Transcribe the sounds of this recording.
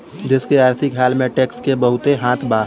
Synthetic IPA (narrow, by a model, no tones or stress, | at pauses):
d͡ʒɪskeaːɾt̪ʰɪkɦaːlmẽʈeːkskebəɦʊt̪eɦãːt̪ʰbaː